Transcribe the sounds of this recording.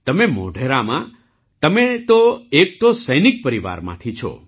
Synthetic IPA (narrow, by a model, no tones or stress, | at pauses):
t̪əmemɔ̰ɖʱeɾamã̰ | t̪əmet̪oek̚t̪osəjnik̚pəɾiʋa̰ɾmã̰t̪ʰit͡ʃʰɔ̰